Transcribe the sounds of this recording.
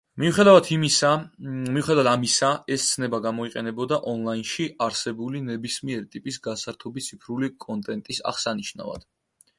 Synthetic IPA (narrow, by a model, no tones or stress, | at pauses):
miuχɛd̪avat̪ʰimisamiuχɛd̪avat̪ʰamisaɛst̪sʰnɛbaɡamɔiqʼɛnɛbɔd̪aʔɔnlˠainʃiaɾsɛbulinɛbismiɛɾit̪ʼipʼisɡasaɾt̪ʰɔbit̪sʰipʰɾulikʼɔnt̪ʼɛnt̪ʼisa̰χsaniʃna̰va̰d̪̥